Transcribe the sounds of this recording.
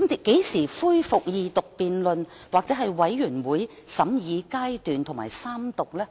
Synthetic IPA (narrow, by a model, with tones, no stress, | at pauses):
m˨ke˨˥jsiː˨˩fuː˥jfʊ˨k̚jiː˨˧t̪ʊ˨k̚piː˨nlɵ˨n | waː˨k̚t͡sɛː˨˥ɦɐ˨jwɐ˨˥jːyː˨˩nwuː˨˦j | sɐ˨˥mjiː˨˧kaː˥jt̪yː˨nt̪ʰʊ˨˩ŋ͡mma̰ː˨˩jsaː˥mt̪ʊ˨k̚lɛː˥